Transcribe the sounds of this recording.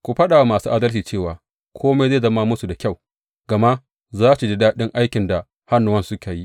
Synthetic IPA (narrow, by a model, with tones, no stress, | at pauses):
kʷu˨ɸɐ˦ɗaː˨wa˦maː˨suː˦ʔaː˦dɐ˦lt͡ʃiː˨t͡ʃeː˦˨waː˨ | kʷʰoː˦ma˦zeː˦˨zɐ˦maː˦mʊ˦su˨da˨kʲa˦˨w | ɡ̥ɐ˨ma˦ | zaː˦su˨dɪ˦daː˦ɗɪ˦ŋʔa˦jkʲɪ˨nda˨ | ha˦nːʊ˦wɐ˦nsʊ˦ka˨ji˦ʔ